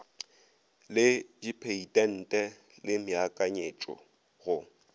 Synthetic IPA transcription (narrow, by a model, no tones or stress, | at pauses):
lɪd͡ʒipʰeitʼɛn̩tʼɛ | lɪmɪakʼaɲet͡ʃʼɔ̰ | ɣʊ